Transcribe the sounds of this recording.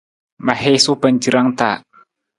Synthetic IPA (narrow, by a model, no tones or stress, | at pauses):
mahesub̥and͡ʒiɾaŋt̪a̰